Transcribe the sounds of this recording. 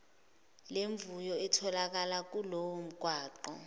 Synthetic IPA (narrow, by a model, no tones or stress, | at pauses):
leɱvujɔɛtʰɔlak̬alak̬ulowom̩ɡ̥ʱwaːǃɔ̰